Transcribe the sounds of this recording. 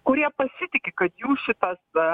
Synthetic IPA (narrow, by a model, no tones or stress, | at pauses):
kʊɾʲiɛpɐsʲɪt̪ʲɪkʲɪkɐt̪juːʃʲɪt̪ɐs